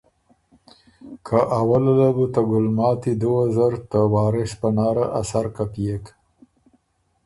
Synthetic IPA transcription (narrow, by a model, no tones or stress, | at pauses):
kʰaʔawalalabut̪aɡʊlmɑːt̪id̪owazəɾt̪əwɑːɾɪʃpənɑːɾaʔasaɾkapijek